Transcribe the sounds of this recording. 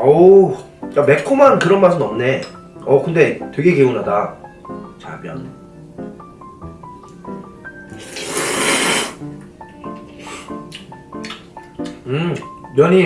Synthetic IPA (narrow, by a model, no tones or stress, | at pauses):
ʌ | t͡ɕame̞kʰomankɯɾʌnmasʰɯnʌmne̞ | ʌkɯnde̞twe̞ɡe̞keunɦada | t͡ɕa̰bjʌ̰n | ɯjʌɲi